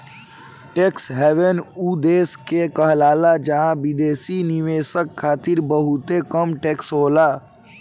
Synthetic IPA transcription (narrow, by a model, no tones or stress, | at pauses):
ʈeksɦɛːʋenud̪eːskekəɦlaːlad͡ʒəɦãbid̪eːsiniʋeːsəkʰːaːt̪iɾbəɦʊt̪ekəmʈeːksɦoːla